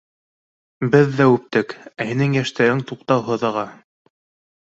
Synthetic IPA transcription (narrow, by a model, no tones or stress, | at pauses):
bɘðːæʉp̚t̪ɘkæhinɘŋjæʃt̪æɾɘŋt̪uqt̪ɑwɦɤ̆ðɤ̆ʁɑ